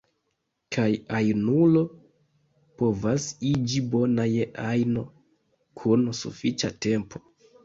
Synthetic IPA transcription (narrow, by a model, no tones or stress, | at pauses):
kʰajajnulo̞ | po̞vasid͡ʒibo̞najeʔajno̞ | kʰunsṵfit͡ʃate̞mpo̞̥